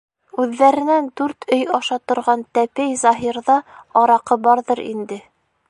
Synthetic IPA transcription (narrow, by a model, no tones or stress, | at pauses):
ʉðːæɾɘ̆nænd̪ʉɾt̪ʰɵjɑʃɑt̪ŏɾʁɑnt̪æpæjzɑɦiɾðɑɑɾɑqɤbɑɾðɤɾḭnd̪ɘ